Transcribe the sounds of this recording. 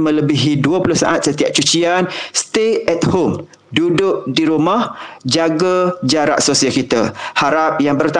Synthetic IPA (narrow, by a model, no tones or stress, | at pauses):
mə̃ləbiɦiduəpulʊhsa̰ʔat̪̚sət̪iaʔ̚t͡ʃut͡ʃianst̪eɛt̪̚hom | dudʊʔ̚diɾumahd͡ʒaɡad͡ʒaɾa̰ʔsosiakit̪ahaɾap̚jaŋbərt̪a